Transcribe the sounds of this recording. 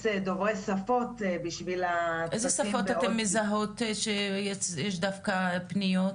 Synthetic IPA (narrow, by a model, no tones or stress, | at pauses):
sed̪oʁesafot̪biʃvilaʔejzesafot̪aemːezaɦo̞t̪ʃejejeʃd̪afkapnijot̪